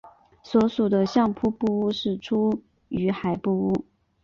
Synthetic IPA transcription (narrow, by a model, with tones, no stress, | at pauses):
swɔ˧˥ʂu˨˩d̪ə˦ɕjɑ˥˧ŋpʰu˥pu˥˧u˥ʂɻ̩˥˩ʈ͡ʂʰu˥ | y˧˥xa˨˩ɪpu˥˧u˥˩